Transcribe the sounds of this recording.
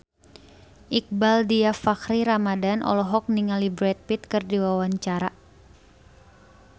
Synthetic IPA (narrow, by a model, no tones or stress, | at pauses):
ʔik̚baldiafakɾiɾamadanʔɔ̰lɔɦɔk̚niŋalibɾɛt̪̚pit̪kɨrdiwawaɲt͡ʃaɾa